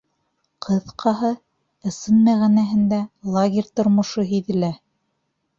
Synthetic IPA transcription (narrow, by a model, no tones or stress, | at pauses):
qʰɤ̆ðqʰɑɦɤ | ɤ̆sɤnmæʁænæɦɘ̆nd̪ælˠaɡʲeɾʲt̪ŏɾmŏʃoɦiðɘ̆læ